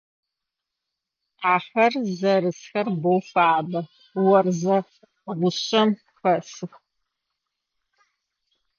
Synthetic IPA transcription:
aːħɐrzɐɾɨsxɐrbowfaːbɐ | wɐrzɐ | ʁʷʊɕɐm | xɐsɨx

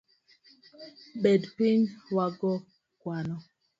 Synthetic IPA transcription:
ɓedpiɲwaɡɔ | kwanɔ

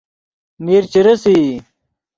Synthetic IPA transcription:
niɾt͡ɕiɾɐsi

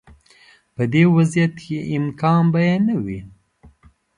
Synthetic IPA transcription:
pəd̪eːwazjɐt̪keʔɪmkɑːnbɐjenawi

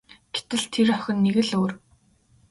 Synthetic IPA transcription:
ɡ̥et̪ɘ̆ɮt̪ʰerœxʲɪ̆nːeɣɘ̆ɮoːr

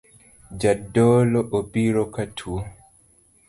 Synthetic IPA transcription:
d͡ʒadɔlɔʔopiɾɔkatʰu

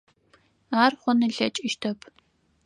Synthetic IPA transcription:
aːrχʷɔnɨɮɐt͡ʃʼɪʃtʰɐpʰ

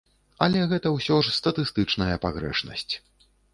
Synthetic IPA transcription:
ɐlʲɛɣɛt̪ɐwsʲɔʂst̪ɐt̪ɨst̪ɨt͡ʂnɐjɐpaɣɾɛ̰ʂnɐ̰sʲt͡sʲ

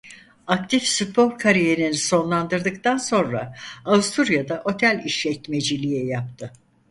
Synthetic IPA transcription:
ak̚t̪ʰifsypʰoɾkʰaɾijeninso̞nlˠand̪ɯɾd̪ɯkt̪anso̞nɾa̰avust̪ʰuɾjad̪aʔo̞t̪ʰælʲiʃʲɛtme̞d͡ʒilʲijɛjap̚t̪ʰɯ

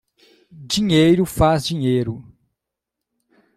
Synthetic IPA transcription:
d͡ʒĩɲejɾʊfazd͡ʒĩɲejɾʊ

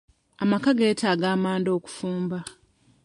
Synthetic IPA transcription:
amakaɡe̞ːtʰaːɡaːmaːndo̞ːku̥fuːmba

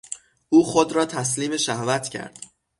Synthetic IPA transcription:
ʔuːxod̪ɾɒːt̪ʰæsliːme̞ʃæhvæt̪ʰcʰæ̰ɾd̪̥

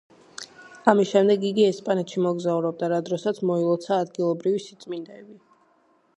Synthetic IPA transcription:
amisʃɛmd̪ɛɡiɡiɛspʼanɛt̪ʃimɔɡzauɾɔb̚d̪aɾad̪ɾɔsat̪sʰmɔilˠɔt̪sʰaːd̪ɡilˠɔbɾivisit̪sʼmind̪ɛbi

